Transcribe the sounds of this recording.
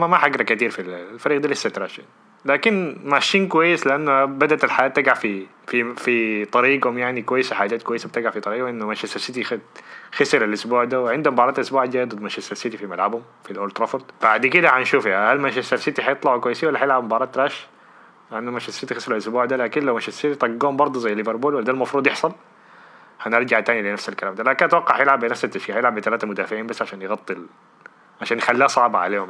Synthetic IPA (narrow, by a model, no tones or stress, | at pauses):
mamaħaɡɾˤɑkat̪iːɾfillfæɾiːɡd̪aːlɪsːat̪ɾaʃan | laːkɪnmaʃiːnkʊwajːɪslɪʔanːʊhabad̪aʔt̪ɪlħajaːt̪ːɪɡaʕfi | fifit̪ˤɑɾiːɡhʊmjaʕnikwajːɪsaħaːd͡ʒaːt̪̚kwajːɪsab̚t̪ɪɡaʕfit̪ˤɑɾiːɡhʊmʔɪnːʊmaʃasasɪt̪ixxɪsɪɾalʔʊsbuːʕd̪aːwʕɪnd̪hʊmbɑʕɾˤɑːt̪ʔʊsbuːʕd̪aːd̪ˤɨd̪ˤmaʃasalsɪt̪ifimalʕabhʊm | filʔolt̪ɾˤɑfoɾˤd̪b̥aʕd̪kɪd̪aħanʃuːfahalmanʃasalsɪt̪iɦɑjɨt̪ˤlɑʕkwajːɪsiwalːaħajɪlʕabmbɑːɾˤɑːt̪ːɾaːʃ | ʕɪnd̪ʊmaʃasɪt̪ixɪsɪlalʔʊsbuːʕd̪alaːkɪnlawmaʃasɪt̪it̪ˤɑɡːuːhʊmbɑɾˤd̪ˤuzajːalːɪvɪɾbuːlwalːad̪almɑfɾˤuːd̪ˤjɪħsˤɑl | hanɪɾˤd͡ʒaʕt̪aːnilɪnafsalkalaːmd̪aːlaːkɪnat̪wɑqːɑʕħajɪlʕabɪnafsat̪ːaʃkiːhajɪlʕabɪt̪alaːt̪amʊd̪aːfɪʕiːnbasːʕaʃaːnjɪɣɑt̪ˤːil | ʕaʃaːnjɪxalːiːasˤɑʕbaʕa̰leːhʊm